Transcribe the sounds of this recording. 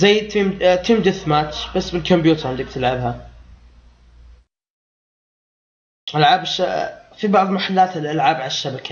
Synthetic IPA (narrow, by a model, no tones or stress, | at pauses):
zajːɪd̪t̪imt̪iːmd̪ɪθmaːt̪b̥asːbɪlkɔmbjuːt̪ʰɑɾˤɪnd̪ɪk̚t̪ɪlʕɪbha | ʔalʕaːbʃafibɑʕðˤmaħalːaːt̪ɪlʔalʕaːbʕalaʃːabakʰḁ